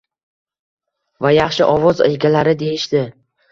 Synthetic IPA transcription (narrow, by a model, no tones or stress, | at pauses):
vajaχʃɪʔɒvɒzḛjɡʲalaɾɪd̪e̞jɪʃd̪ɪ